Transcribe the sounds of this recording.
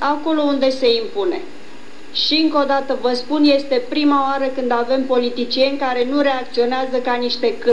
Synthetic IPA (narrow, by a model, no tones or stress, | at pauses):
ako̞lo̞und̪e̞se̞impune̞ | ʃiɨŋko̞d̪at̪əvəspunje̞st̪e̞pɾimaoaɾəkɨnd̪ave̞mpo̞lit̪it͡ʃie̞nʲkaɾe̞nuɾe̞ak̚t̪sio̞neazəkaniʃt̪e̞kɨ